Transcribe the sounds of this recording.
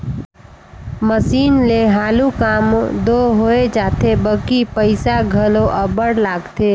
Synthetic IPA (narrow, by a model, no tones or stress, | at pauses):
məsiːnleɦaːlukaːmd̪oɦoːed͡ʒaːt̪ebəkipəɪsaɡʱəlõʔəbəɽlaːɡt̪eː